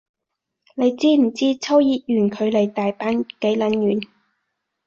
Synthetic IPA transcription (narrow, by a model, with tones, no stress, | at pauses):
le˨˧jt͡siː˥m̩˨˩t͡siː˥t͡sʰɐ˥wjiː˨t̚jyː˨˩nkʰɵ˨˧ɥle˨˩jt̪aː˨jpaː˥nke˨˥jlɐ˨˥njyː˨˩n